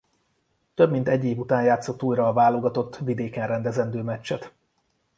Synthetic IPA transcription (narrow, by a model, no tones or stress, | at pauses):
t̪øbmint̪ɛɟːeːvut̪aːɲjaːt̪so̞t̪ːuːjɾɒːvaːlo̞ɡɒt̪o̞t̪ːvid̪eːkɛnrɛnd̪ɛzɛnd̪øːmɛt͡ʃːɛt̪